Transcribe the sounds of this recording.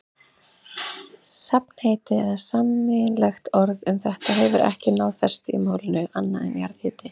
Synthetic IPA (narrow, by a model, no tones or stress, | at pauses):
sapn̥heːjt̪ɪɛðasamːɪlɛxt̪ɔɾðʏmθɛht̪aɦɛvʏɾʔɛ̰hcɪnawðfɛ̥st̪ḭmoːwlɪnʏʔanːaðɛ̰nja̰ɾðhɪːt̪ɪ